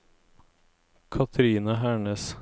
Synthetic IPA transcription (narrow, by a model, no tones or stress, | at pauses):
kʰɑt̪ʰɾiːnɑhæːɳəːs